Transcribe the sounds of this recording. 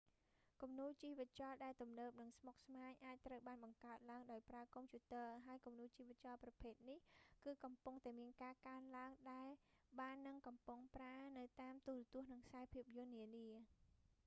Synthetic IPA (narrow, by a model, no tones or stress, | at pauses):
kumnuːlt͡ɕiːʋɨt̪̚t͡ɕɑːlɗaɛlt̪umnəːp̚nɨŋsmok̚smaːɲʔaːc̚t̪rəwɓaːnɓɑŋkaət̪̚laəŋɗaɔjpraəkompʰjuːt̪əəɦaəjkumnuːlt͡ɕiːʋɨt̪̚t͡ɕɑːlprɑpʰeːt̪̚nihkɨːkɑmpuŋt̪aɛmiənkaːkaənlaəŋɗaɛlɓaːnːɨŋkɑmpʊŋpraənɨwt̪aːmt̪uərɑt̪ʊəhnɨŋksaɛpʰiəp̚jʊ̆ənːiəniə